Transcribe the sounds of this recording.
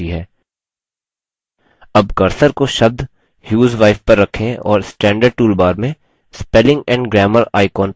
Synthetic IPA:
iɦɛː | ɐbkɐɾsəɾkoʃɐb̚d̪ | hjuːzʋaːɪfpɐɾːɐkʰːẽɔ̰ːɾsʈɛ̃ːɳɖəɾɖ̚ʈuːlbaːɾmẽ | spɛlɪ̃ŋɡɛ̃ːɳɖɡɾɛːməlaːɪkɔːn

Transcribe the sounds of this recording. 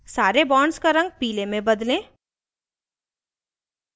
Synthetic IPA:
saːɾebɔːɳskaɾɐ̃ŋɡ̚piːlemẽbɐd̪lẽː

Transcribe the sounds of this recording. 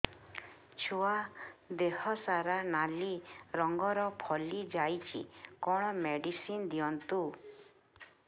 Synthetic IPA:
t͡ʃʰuad̪ehɔsaɾanaliɾɔŋɡɔɾɔpʰɔlid͡ʒajt͡ʃʰḭkɔɽ̃ɔmeɖisind̪iɔnt̪u

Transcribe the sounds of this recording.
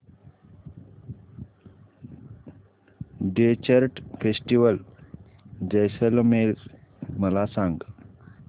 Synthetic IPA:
ɖet͡ɕəɾʈfesʈiʋəl | d͡ʑəjsəlmel | məlasaŋɡ

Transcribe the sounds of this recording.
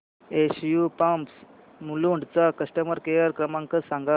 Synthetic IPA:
esjupãmps | muluɳɖt͡sakəsʈəməɾkejəɾkɾəmãŋkəsãŋɡa

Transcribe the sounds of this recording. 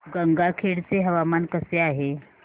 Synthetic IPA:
ɡəŋɡakʰeɽt͡seɦəʋamankəseaɦe

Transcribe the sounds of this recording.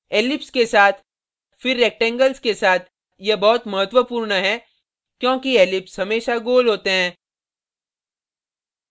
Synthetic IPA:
eːlɪpskesaːt̪ʰ | fɪɾːeːk̚ʈɛ̃ŋɡəlskesaːt̪ʰ | jebɔːt̪mɐɦət̪wəpuːɾnəɦɛ | kjõːkieːlɪpsɦɐmeːʃaɡoːlɦoːt̪eɦɛ̃ː

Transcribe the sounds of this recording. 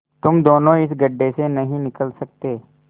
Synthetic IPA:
t̪ʊmd̪oːnõɪsɡəɖːesenɐɦĩnɪkəlsək̚t̪eː

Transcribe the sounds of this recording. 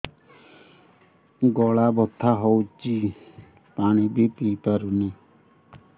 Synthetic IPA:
ɡɔɭabɔt̪ʰːaɦɔwt͡ʃi | paɽ̃ibit̪ipaɾune

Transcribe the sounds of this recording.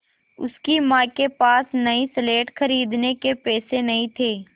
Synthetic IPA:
ʊ̰skimãːkepaːsnɐisleːʈxɐɾiːd̪nekepɛːsenɐĩt̪ʰeː

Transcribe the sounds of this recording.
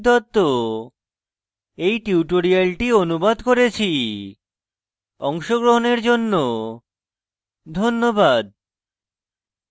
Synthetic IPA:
d̪ɔt̪ːo | ejʈiuʈoɾialʈionubad̪koɾet͡ɕʰi | ɔŋʃoɡɾoɦoneɾd͡ʑonːo | d̪ʱonːobad̪̚

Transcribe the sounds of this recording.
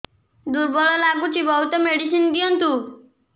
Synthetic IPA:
d̪uɾbɔɭɔlaɡut͡ʃibɔɦut̪ɔmeɖis̬ind̪ijɔnt̪u

